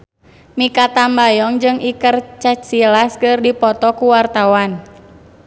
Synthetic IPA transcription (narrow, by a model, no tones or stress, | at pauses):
mikat̪ambajɔŋd͡ʒɨŋʔikərt͡ʃat̪̚silaskɨrdipɔt̪ɔkuwart̪awan